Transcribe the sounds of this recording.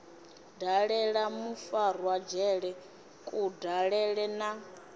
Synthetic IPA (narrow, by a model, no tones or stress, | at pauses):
daɺɛɺamufarwad͡ʒɛɺɛ | kʼudaɺɛɺɛna